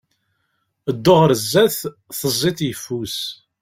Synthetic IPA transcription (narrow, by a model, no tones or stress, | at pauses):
əd̪ːoʁɾəzːæθ | θəzˤːiθjəfːus